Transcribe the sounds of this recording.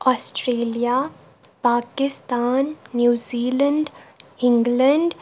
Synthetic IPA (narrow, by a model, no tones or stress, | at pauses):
ɔːsʈɾeːlija | paːkɪst̪aːnːjuːziːlə̃ɳɖɪ̃ŋɡlə̃ɳɖ